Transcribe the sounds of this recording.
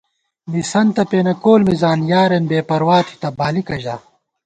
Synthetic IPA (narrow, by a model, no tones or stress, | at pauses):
misɐnt̪ɐpeːnɐkoːlmizaːnjaːɾenbeːpɐɾwaːt̪ʰi̥t̪ɐbaːlikɐʑa̰ː